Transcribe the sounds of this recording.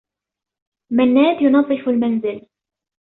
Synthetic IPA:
manːaːd̪jʊnɑðˤːɨfalmanzɪl

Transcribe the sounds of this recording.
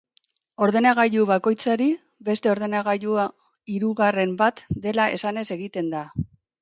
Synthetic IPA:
o̞ɾð̞e̞naɣ̞aʎuβako̞jt͡saɾi | be̞st̪e̞o̞ɾð̞e̞naɣaʎua | iɾuɣare̞mbat̪d̪e̞lae̞̰sane̞se̞ɣit̪e̞nd̪a

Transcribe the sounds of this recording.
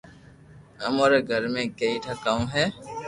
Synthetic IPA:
ɐmoːɾeɡʱəɾmẽkeiʈʰakaːũɦɛː

